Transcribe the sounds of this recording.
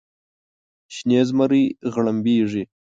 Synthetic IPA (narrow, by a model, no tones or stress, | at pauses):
ɕneːzmaɾiɣɭambiːʐi